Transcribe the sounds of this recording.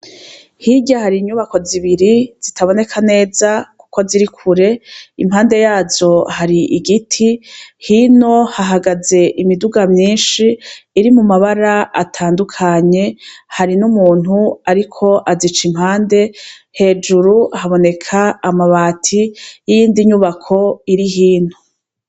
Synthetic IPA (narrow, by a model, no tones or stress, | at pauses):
hiɟahaɾiɲuβako̞ziβiɾiz̥itʰaβo̞ne̞kʰane̞ːzaku̥ko̞ziɾikʰuɾe̞imhaːnde̞jaːzo̞haɾiʔiɡitʰihino̞haɦaɡaze̞ʔimiduɡamɲiːnʃiːɾimumaβaɾaʔa̰tʰaːndukʰaɲe̞haɾinumuːnhuaɾikʰo̞ʔazit͡ʃimhaːnde̞ | he̞ːd͡ʒuɾuhaβo̞ne̞kʰaːmaβaːtʰijijiːndiɲuβakʰo̞iɾiɦiːnu